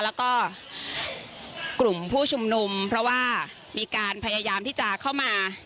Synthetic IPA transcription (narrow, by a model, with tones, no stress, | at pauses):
lɛː˦˥wkɔː˥˩ | kɾu˨˩mpʰuː˥˩t͡ɕʰu˧mnu˧mpʰɾɔ˦˥waː˥˩ | miː˧kaː˧npʰa˧jaː˧jaː˧mt̪ʰiː˥˩t͡ɕa˨˩kʰa˥˩wmaː˧